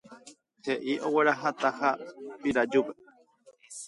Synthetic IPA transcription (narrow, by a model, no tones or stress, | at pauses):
heʔiʔoweɾaɦat̪ahapiɾad͡ʒupe